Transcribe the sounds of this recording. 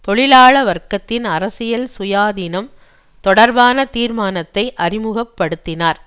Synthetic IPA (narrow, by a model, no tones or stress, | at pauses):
t̪ɔɭɪlaːɭɐʋɐɾkɐt̪ːɪnɐɾɐsɪjɐlsʊjaːðinɐm | t̪ɔɽɐɾbaːnɐt̪iːɾmaːnɐt̪ːɐɪʔɐɾɪmɯɣɐpːɐɽɯt̪ːɪnaːɾ